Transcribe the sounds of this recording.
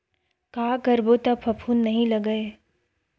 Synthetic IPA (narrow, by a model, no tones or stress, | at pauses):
kaːkɐɾbot̪ɐpʰɐpʰuːnːɐɦĩlɐɡəe